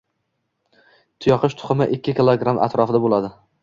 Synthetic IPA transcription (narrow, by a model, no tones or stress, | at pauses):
t̪ʰʊjɒqʰɪʃt̪ʰʊ̥χɨmɪʔɪkʲːɪkʲɪlˠoɡɾamʔa̰t̪ɾɒfɪd̪abolad̪ɪ